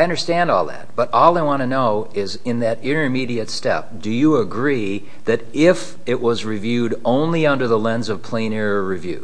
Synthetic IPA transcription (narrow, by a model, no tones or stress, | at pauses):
aɪʌ̃ndə˞stæ̃ndɔ̰lˠðæ̰t̚b̥ʌɾʔɔlˠaɪwɑ̃ñɨnoʊɪzɪ̃nðɨɾɪ̃ɾ̃ə˞miɾiɨtstɛ̰p̚d̥ɨjəəɡɹi | ðɨɾɪf | ɪʔwʌzɹivjʉɾõʊ̃nliʌ̃ndə˞ðəlɛ̃nzʌv̥pʰl̥ẽɪ̃nɪɹəɹivjʉ̰